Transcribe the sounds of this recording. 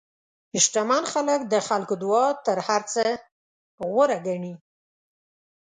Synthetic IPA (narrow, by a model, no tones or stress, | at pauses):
ɪʃʈamanxalək̚d̪əxalkod̪uwɑt̪əɾhaɾt͡sə | ɣwəɾaɡaɳi